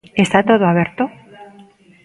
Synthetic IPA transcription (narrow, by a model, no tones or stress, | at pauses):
est̪at̪oðoaβjeɾt̪o